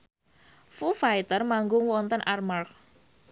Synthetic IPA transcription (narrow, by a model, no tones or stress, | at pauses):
fufajt̪ərmaŋɡʊŋwɔnt̪ənʔarmark̚